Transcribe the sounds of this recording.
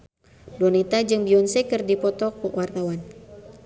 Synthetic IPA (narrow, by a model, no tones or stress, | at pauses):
dɔnit̪ad͡ʒɨŋbiɔnsɛkɨrdipɔt̪ɔkuwart̪awan